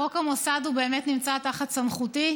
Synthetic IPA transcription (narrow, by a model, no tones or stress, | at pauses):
okamosad̪ube̞ːmet̪nimt͡sat̪aχat̪samχuti